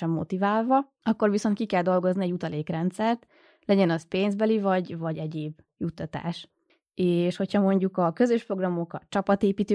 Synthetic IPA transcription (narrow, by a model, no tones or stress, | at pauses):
ɛmːo̞̰t̪ivaːlvɒ | ɒkːo̞rviso̞nt̪̚kikɛld̪o̞lɡo̞zniɛɟut̪ɒleːkrɛnt̪sɛrt̪ | lɛɟɛnɒspeːnzbɛlivɒɟvɒɟɛɟeːb | jut̪ːɒt̪a̰ːʃ | eːʃho̞chɒmo̞ɲɟukɒkø̞zøʃpro̞ɡrɒmo̞kɒt͡ʃɒpɒt̪eːpiːt̪øː